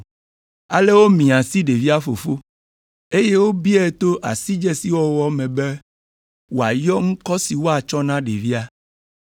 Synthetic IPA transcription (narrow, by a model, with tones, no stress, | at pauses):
a˨le˦wo˦mĩ˨ã˨si˦ɖe˨vi˦a˦fo˨fo˦ | e˦je˦wo˦bi˦ɛ˦t̪o˦ʔa˨si˦d͡ʒɛ˦si˦wɔ˦wɔ˦mɛ̃˨bɛ˦ | wo˨a˨jɔ˦ŋ̩˦kɔ˦si˨wo˦a˨t͡ʃɔ˦nã˦ɖe˨vi˦a˦